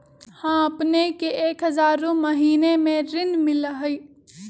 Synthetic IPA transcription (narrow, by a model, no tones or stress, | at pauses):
hãəpnekeeːkɦəzaːɾoməɦiːnemẽɾɪnmɪlɦəi